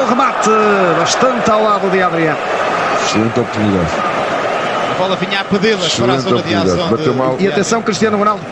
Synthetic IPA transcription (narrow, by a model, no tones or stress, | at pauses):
ũʁɨmat̪ɨβɐʃt̪ɐ̃nt̪awlˠaðuðiaðɾiɐ̃ | ʃɨlˠẽnt̪ɔpuɾt̪uniða̰ð | ɐvɔlˠɐviɲapɨðelˠɐɾẽnɔppðiuaiðaðɐ̃bɐt̪emalˠiɐt̪ẽsɐ̃w̃kɾiʃt̪iɐnuʁunalˠd̪u